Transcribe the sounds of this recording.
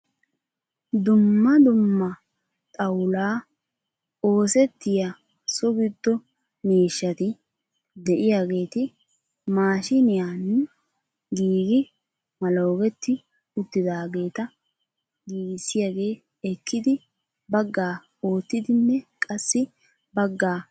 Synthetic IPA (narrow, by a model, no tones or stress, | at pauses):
d̪ʊmːɐd̪ʊmːɐ | t̪ʼɐwlaː | o̞ːsɛt̪ːɪja | sɔɡɪd̪ːɔ | meːʃːɐt̪ɪ | d̪ɛʔɪjaːɡe̞ːt̪ɪ | maːʃɪnɪjaːn | ɡiːɡɪ | mɐloːɡɛt̪ːɪ | ʊt̪ːɪd̪aːɡe̞ːt̪ɐ | ɡiːɡɪsːɪjaɡe̞ː | ɛkːɪd̪ɪ | bɐɡːaː | o̞ːt̪ːɪd̪ɪnːɛkʼɐsːɪ | bɐɡːaː